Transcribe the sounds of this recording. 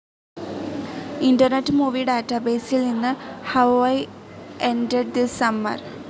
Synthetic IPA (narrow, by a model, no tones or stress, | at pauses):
indɐrneʈːɨmuːʋiɖaːtːɐbeːsilninːɨhɐwajʔeɳɖeɖ̚disɐmːɐ̰r